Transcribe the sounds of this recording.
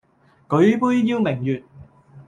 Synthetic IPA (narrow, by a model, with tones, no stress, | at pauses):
kɵ˨˥ɥpuː˥jjiː˧wmɪ˨˩ŋjyː˨t̚